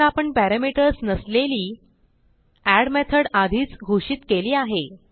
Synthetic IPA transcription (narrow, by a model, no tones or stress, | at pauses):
apəɳpæɾamiʈəɾsnəsleliː | æɽmet̪ʰəɽad̪ʱiːt͡sɡʱoʂiːt̪keliːaɦe